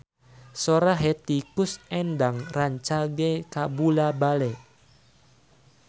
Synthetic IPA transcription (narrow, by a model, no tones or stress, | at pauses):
soɾaɦet̪ikʊsɛndaŋraɲt͡ʃaɡekabulabalɛ